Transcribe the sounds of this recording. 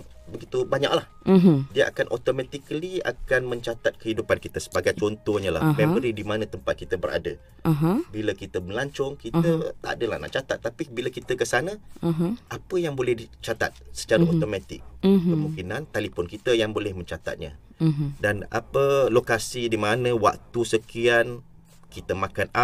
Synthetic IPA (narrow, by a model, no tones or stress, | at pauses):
bəɡit̪ubaɲa̰k̚lah | ɦdiaʔa̰kanʔo̰t̪omãt̪ikəlia̰kanmə̃ɲt͡ʃat̪at̪̚kəɦidupankit̪əsə̥baɡajt͡ʃɔnt̪ɔhɲala̰hmẽməɾidimanə̃t̪əmpat̪̚kit̪əbəɾa̰də | ɦbiləkit̪əməlaɲt͡ʃɔŋkit̪ət̪a̰ʔdəla̰hna̰ʔt͡ʃat̪at̪ːapibiləkit̪əkəsanəɦʔapəjaŋbolɛhdit͡ʃat̪a̰t̪̚sə̥t͡ʃaɾaot̪omãt̪ɪ̰k̚kəmũŋkinant̪alifɔnkit̪əjaŋbolɛhmə̃ɲt͡ʃat̪a̰t̪̚ɲa̰ | dana̰pəlokasidimanə̃wa̰k̚t̪usəkian | kit̪əmãkana